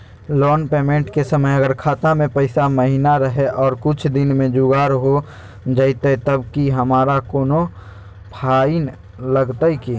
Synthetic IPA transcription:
lɔːnpeːmẽːɳʈkesəməjəɡəɾkʰaːt̪ãmẽpəɪsaməɦinaɾəɦeʔɔːɾkʊt͡ʃʰd̪ɪnmẽd͡ʒʊɡaːɾɦo | d͡ʒəɪt̪et̪əbkiɦəmaːɾakoːno | pʰaːin | ləɡt̪aikeː

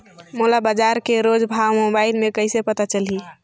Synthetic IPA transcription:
molabad͡ʒaɾkeɾod͡ʒbʱawmobaɪlmẽkəɪsepət̪at͡ʃəli

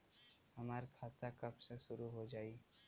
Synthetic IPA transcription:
ɦɐmaːɾkʰaːt̪akɐbseʃʊɾuɦod͡ʒaːi

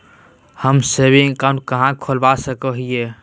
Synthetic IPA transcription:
həmsebĩkãʊ̃ɳʈ̚kəɦãkʰolbasəkəɦije

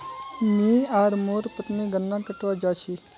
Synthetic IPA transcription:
miːaːɾmoːɾpət̪niːɡənːãːkəʈʋaːd͡ʒaːt͡ʃʰi

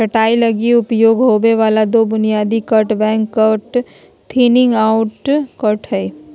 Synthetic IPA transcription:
ɐʈaːilɐɡiʊpjoːɡɦoːʋeʋaːlad̪oːbʊnijaːd̪ikəʈbɛ̃ːŋkːəʈ | t̪ʰiːnɪ̃ŋɡaːʊʈkəʈɦɛe

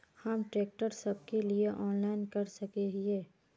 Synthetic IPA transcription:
hɐmʈɾeːk̚ʈəɾsɐb̚kelieʔɔːnlaːɪnkɐɾsɐkeɦeː

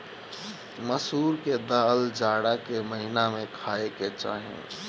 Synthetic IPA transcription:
məsuːɾked̪aːld͡ʒaːɽakeməɦɪnamẽkʰaːeket͡ʃa̰ːɦḛ̃

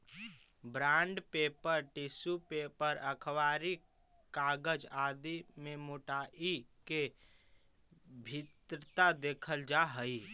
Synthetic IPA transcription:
bɾaːɳɖpepəɾʈisupepəɾəkʰəwaːɾi | kaɡəd͡ʒaːd̪imemoʈaʔike | bʱit̪ɾət̪ad̪eːkʰəld͡ʒaɦəi

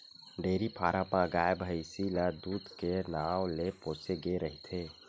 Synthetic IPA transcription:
ɖeːɾipʰaːɾãpãɡaːjebɦəɪsilad̪uːd̪kenaːwlepõːt͡ʃeɡeɾəɦit̪ʰeː

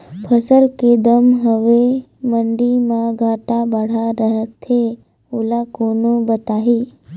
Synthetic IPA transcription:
pʰəsəlked̪əmɦəʋe | məɳɖimãɡʱaʈabəɽ̤aɾəɦət̪ʰe | ulakonõbət̪aɦi

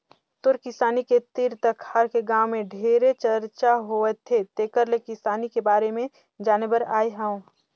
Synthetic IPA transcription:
t̪ʊɾkɪsaːniket̪ɪɾt̪əkhaɾkeɡãːwmẽɖʱeːɾet͡ʃɐɾt͡ʃaɦoːɛt̪ʰːet̪eːkəɾlekɪsaːnikebaːɾemẽ | d͡ʒaːnebəɾaːiɦɛ̃ũ

